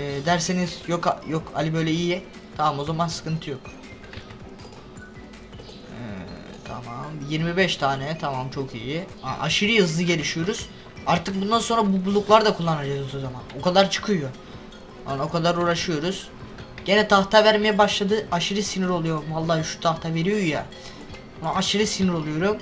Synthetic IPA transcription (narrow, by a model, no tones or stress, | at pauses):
ɛːd̪æɾsenizjokajokʰa̰lʲibø̞jlʲɛiji | t̪ʰamamo̞zamansɯ̥kɯnt̪ʰɯjo̞k | ɛ̰ | t̪ʰa̰mamjiɾmibɛʃt̪ʰaːnɛt̪ʰamamt͡ʃʰo̞kʰijia̰ʔa̰ʃiɾɯjɯzlˠɯɟe̞lʲiʃijo̞ɾuz̥ | aɾt̪ʰɯk̚bund̪anso̞nɾabubulˠuklˠaɾd̪akʰulˠːanad͡ʒaluzo̞zamanokʰad̪aɾt͡ʃʰɯ̥kʰɯjo | a̰no̞kʰad̪aɾuːɾaʃɯjo̞ɾuz̥ | ɟ̥e̞nɛt̪ʰaht̪ʰavæɾmejɛbaʃlˠad̪ɯʔaʃɯɾɯsiniɾo̞lˠujo̞ɾumhalˠːaːhɯʃu̥t̪ʰaxt̪ʰave̞ɾijoja̰ | maaʃɯɾɯsinɯɾo̞lˠujo̞ɾum